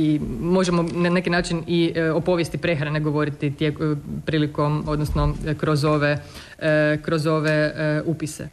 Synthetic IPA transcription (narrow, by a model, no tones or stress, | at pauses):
imo̞ʒemonane̞kinaːt͡ʃinio̞po̞ʋjest̪ipɾe̞xɾaneɡo̞ʋo̞ɾit̪it̪jepɾiːlikomo̞d̪nosnokɾo̞zo̞ʋe | kɾozo̞ʋeupisḛ